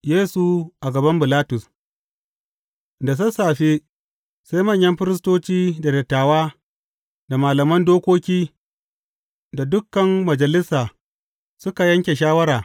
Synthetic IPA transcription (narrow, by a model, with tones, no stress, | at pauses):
jeː˦su˨ʔa˨ɡɐ˨bɐ˦mbɪ˨laː˦tʊ˨s | da˨s̬ɐ˦saː˨ɸe˦ | sa˦jmɐ˦˨ɲjɐ˦mɸɪ˦ɾɪ˦s̬toː˦t͡ʃiː˦da˨dɐ˨tːaː˨waː˦ | da˨maː˨lɐ˨mɐ˦ndoː˦kʷoː˦kʲiː˦ | da˨dʊ˦kːɐ˨mːɐ˨d͡ʒɐ˨lɪ˦saː˨ | sʊ˦ka˨jɐ˦ŋkʲe˨ʃ̬aː˦wɐ˦ɾaː˨